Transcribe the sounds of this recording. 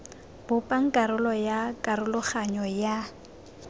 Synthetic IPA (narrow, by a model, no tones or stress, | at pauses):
b̥ʊpʼaŋ̩kʼaɾʊlɔjakʼaɾʊlʊχaɲɔja